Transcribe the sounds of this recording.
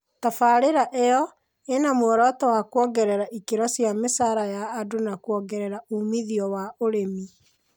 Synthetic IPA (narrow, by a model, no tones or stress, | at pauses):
tafaɾeɾaʔejɔ | enamoɾɔtɔhakwɔɡɛɾɛɾaʔikeɾɔsjamesaɾajaːdonakwɔɡɛɾɛɾaumiðiɔwaʔoɾemi